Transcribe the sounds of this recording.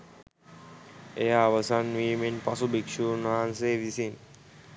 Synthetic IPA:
ejaːʋasanʋimenpasubikʃunɦanseʋisin

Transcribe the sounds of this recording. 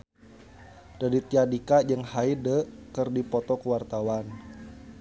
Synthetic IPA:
d̥adit̪iadikad͡ʒəŋhaidəkərdipɔt̪ɔkəwart̪awan

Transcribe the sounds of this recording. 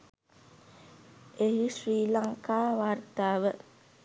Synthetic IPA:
eɦisɾiːlaŋkaːʋart̪aːʋə

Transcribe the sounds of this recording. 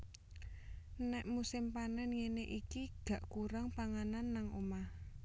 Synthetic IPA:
nɛʔmusɪmpanɛnjeneʔikiɡ̥ä̤ʔkuɾaŋpaŋananːaŋomah

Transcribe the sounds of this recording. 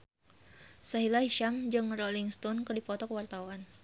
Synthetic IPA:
saɦilahiʃamd͡ʒɨŋrɔliŋst̪ɔnkɨrdipɔt̪ɔkəwart̪auan

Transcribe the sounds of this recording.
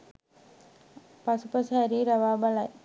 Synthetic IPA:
pɐsupɐsaɾiːɾɐʋaːbɐlaj

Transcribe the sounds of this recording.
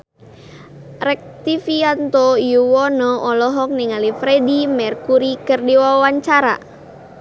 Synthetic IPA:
rɛk̚t̪ifiant̪ɔjuwɔnɔʔɔlɔɦɔk̚niŋalifɾedimɛrkuɾikɨrdiwawaɲt͡ʃaɾa̰

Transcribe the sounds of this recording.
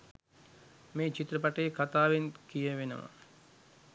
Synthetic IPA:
meːt͡ʃit̪rəpaʈəjekat̪aːʋenkijəʋenə̰ʋə̰

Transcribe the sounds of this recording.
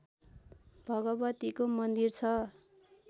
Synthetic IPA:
b̥ʱʌɡʌbʌt̪ikomʌnd̪irt͡sʰʌ

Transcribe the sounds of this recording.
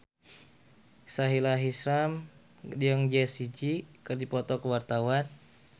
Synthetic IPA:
saɦilaɦisɾam | diəŋd͡ʒɛsid͡ʒikɨrdipɔt̪ɔkəwart̪awan

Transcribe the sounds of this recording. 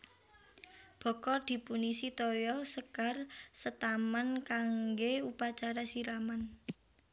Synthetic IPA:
b̥ɔ̤kɔd̪̥i̤punisit̪ɔjɔsəkarsət̪amankaŋɡeupat͡ʃaɾasiɾaman

